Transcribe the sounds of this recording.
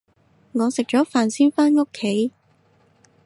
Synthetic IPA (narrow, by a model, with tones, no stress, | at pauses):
ŋɔː˨˧sɪ˨k̚t͡ʃɔː˨˥faː˨˩nsiː˥wfaː˥nŋo˥kʰːe˨˥j